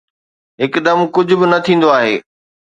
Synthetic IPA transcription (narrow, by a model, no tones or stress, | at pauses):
ɦɪkd̪ɐmkʊd͡ʑʱʊbɪnɐt̪ʰĩːn̆d̪oaːɦeː